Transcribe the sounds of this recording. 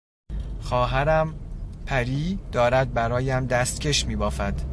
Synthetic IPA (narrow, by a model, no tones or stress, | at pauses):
xɒːɦæɾæmpʰæɾiːd̪̥ɒːɾæd̪̚bæɾɒːjæmd̪æst̪̚cʰe̞ʃmiːbɒːfæd̪̥